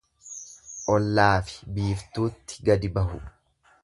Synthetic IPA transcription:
ʔɔlːaːfɪ̥biːft̪uːt̪ːɪ̥ɡɐd̪ɪbɐɦʊ

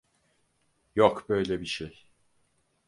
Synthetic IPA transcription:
jokbø̞jlʲɛbiʃej

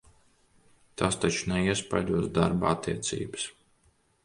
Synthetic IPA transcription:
t̪aːst̪at͡ʃunɛiɛspajd̪uɔzd̪aɾbaa̰t̪ːiɛt̪sḭːbɨs

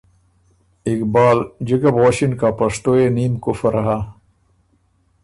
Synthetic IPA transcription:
ikbaːld͡ʑɐɡɐbʁoːɕinkaːpɐʂt̪oːeniːmkofɐɾɐɦaː

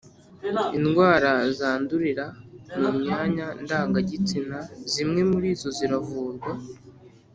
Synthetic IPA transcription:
inɡwaːɾazaːnduɾiɾamumɲaːɲandaːŋɡaɟit͡sinazimŋe̞muɾiːzo̞ziɾavuːnda

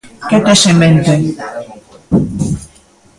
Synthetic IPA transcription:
ket̪eʃement̪e

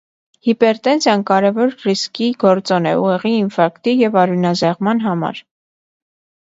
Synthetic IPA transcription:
hipɛɾt̪ɛnsʰjɑnkɑɾɛvɔɾriskiɡɔɾt͡sɔnɛ̰uʁɛʁiːnfɑɾkt̪ijɛvɑɾunɑzɛʁmɑnɦɑmɑ̰ɾ

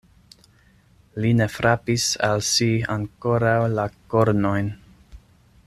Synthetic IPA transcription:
line̞fɾapisalsiaŋko̞ɾawlako̞ɾno̞jn

